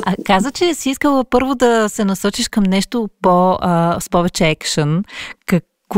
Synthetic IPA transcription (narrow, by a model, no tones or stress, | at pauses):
ɐkazət͡ʃɛsiiskəlˠəpɤɾvod̪ɐsɛnɐsɔt͡ʃiʃkɐmnɛʃt̪opoəspɔvɛt͡ʃɛɛkʃənkɐk